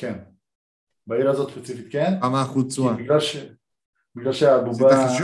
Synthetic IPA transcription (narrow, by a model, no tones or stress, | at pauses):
ken | baiɾaːzot̪ʃpet͡sifit̪̚kenamaχut͡suabiɡlalʃe | biɡlalʃeabuba